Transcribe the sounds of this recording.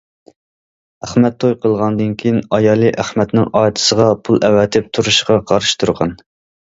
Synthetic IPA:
æχmɛt̪ʰːojqʰəlˠʁɑnd̪ɨnkʲʰijinɑjɑːlˠɨʔæχmɛt̪nɪŋɑːt̪ʰɨ̥səʁɑpʰulˠɛwɛt̪ʰɪp̚t̪ʰuɾuʃʁɑqʰɑɾɨʃt̪ʰuɾʁɑ̰n

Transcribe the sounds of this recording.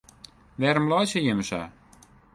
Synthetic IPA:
ʋɛɾəmlˠɔjsəjɪməsa̰

